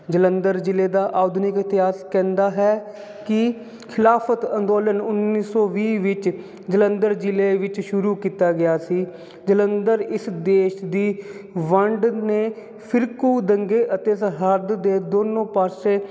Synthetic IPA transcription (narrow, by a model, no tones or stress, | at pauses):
d͡ʒələnd̪əɾd͡ʒɪleːd̪aːʔaːd̪ʱnɪkɪt̪ɪɦaːskɛ̃ːnd̪aːɦɛː | kɪ | kʰɪlaːpʰət̪ənd̪oːlənʊnːiːsɔːʋiːʋɪt͡ʃ | d͡ʒələnd̪əɾd͡ʒɪleːʋɪt͡ʃʃʊɾuːkiːt̪aːɡɪjaːsiː | d͡ʒələnd̪əɾɪsd̪eːʃd̪iːʋəɳɖneː | pʰɪɾkuːd̪əŋɡeːʔət̪eːsɦəɾd̪d̪eːd̪oːnõːpaːsẽː